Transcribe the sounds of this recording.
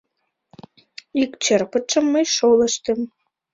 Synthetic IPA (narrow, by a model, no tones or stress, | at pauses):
ikt͡ɕerpət̪ʃə̆mːəjʃolə̆ʃt̪ə̆m